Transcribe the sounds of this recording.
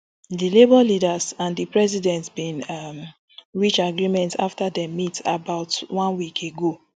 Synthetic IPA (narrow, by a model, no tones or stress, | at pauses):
dilebɔlidazãndipɹɛzidɛ̃ntbĩnm | ɹit͡ʃaɡɹimɛ̃nta̰ftadɛmita̰baʊtwɔ̃nwikʰeɡo